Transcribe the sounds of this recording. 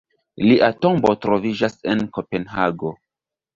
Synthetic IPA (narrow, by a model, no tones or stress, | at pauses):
liʔato̞mbo̞tɾo̞vid͡ʒase̞nko̞pe̞nɦaɡo̞